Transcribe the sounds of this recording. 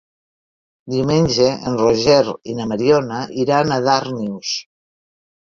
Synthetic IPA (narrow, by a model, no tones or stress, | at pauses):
d̪iwmenʲʒeenroʒɛɾinəməɾionəʔiɾanaðaɾniws